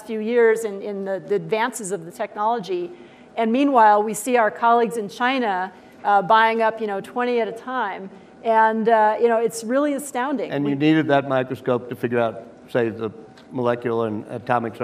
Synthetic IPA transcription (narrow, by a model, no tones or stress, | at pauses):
fjʉjɪɹzɨ̃nɪ̃nðɨðiɨdvæ̃nsɨzʌvðɨtʰɛk̚nɑlˠəd͡ʒi | ɨ̃nmĩnwaɪlˠwisiaʊə˞kʰɑlˠiɡzɨ̃nt͡ʃʰãɪ̃ñə | baɪɪ̃ŋʌpjɨnoʊtʰw̥ɛ̃ɾ̃iɨɾɨtʰãɪ̃m | ɨ̃njɨnoʊɨtsɹɪlˠiɨstãʊ̃ndɪ̃ŋɨ̃nɨniɾɨd̪̚ðɨt̚maɪkɹɨskoʊp̚tʰɨfɪɡjə˞aʊt̚ | seɪvðə | məlɛkjl̩ˠə̃nɨ̰tʰɑmɨks